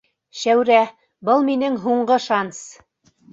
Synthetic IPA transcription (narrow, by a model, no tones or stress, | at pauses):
ʃæwɾæ | bɤlˠminɘŋɦuɴɢɤʃɑns